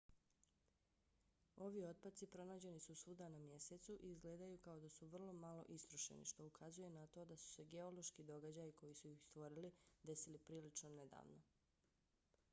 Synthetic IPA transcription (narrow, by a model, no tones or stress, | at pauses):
o̞ʋio̞t̪̚pat̪sipɾo̞naːd͡ʑe̞nisusuːd̪anamje̞set̪suʔiizɡleːd̪ajukao̞d̪asuʋr̩lˠo̞malˠo̞̰ʔist̪ɾoʃḛnḭʃt̪o̞ukʰazuje̞nat̪o̞d̪asu̥se̞ɡe̞o̞lo̞ʃkid̪o̞ɡad͡ʑajiko̞jisuixst̪ʋo̞ɾilid̪e̞silipɾiːlit͡ʃnone̞d̪a̰ːʋno̞